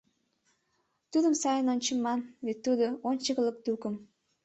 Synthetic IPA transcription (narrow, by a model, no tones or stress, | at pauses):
t̪ud̪əmsɑjənonʲt͡ɕəmːɑnvet̪ːud̪oonʲt͡ɕəkələk̚d̪ukəm